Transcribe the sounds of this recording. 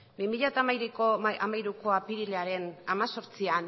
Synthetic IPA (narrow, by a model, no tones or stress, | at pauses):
bimiʎat̪amajɾekoa̰majɾuko̞apiɾileaɾe̞namaso̞ɾt͡sian